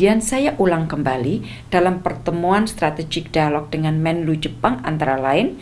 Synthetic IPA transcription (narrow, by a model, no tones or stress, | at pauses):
iansajaʔulaŋkəmbali | d̥alampərt̪əmuanst̪ɾat̪ed͡ʒɪk̚d̥ialɔk̚d̥əŋanmɛnlud͡ʒəpaŋa̰nt̪aɾalaɪn